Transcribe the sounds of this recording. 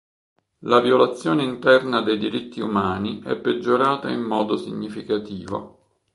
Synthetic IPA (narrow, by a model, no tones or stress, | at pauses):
laviolat̪sːjoːneint̪ɛrnad̪ejd̪iɾit̪ːiumaːniʔɛ̰pːed͡ʒːoɾaːt̪aimːɔːd̪osḭɲːifikat̪iːvo̰